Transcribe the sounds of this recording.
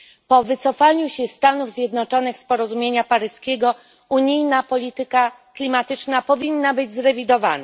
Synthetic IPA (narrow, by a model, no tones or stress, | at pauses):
pɔvɘt̪sɔfaɲuɕɛst̪anuvzʲjɛd̪nɔt͡ʂɔnɘxspɔɾɔzumʲjeɲapaɾɘskʲeɡɔ | uɲijnapɔlʲit̪ɘka | klʲimat̪ɘt͡ʂnapɔvʲinːabɘd͡ʑzɾɛvʲid̪ɔva̰na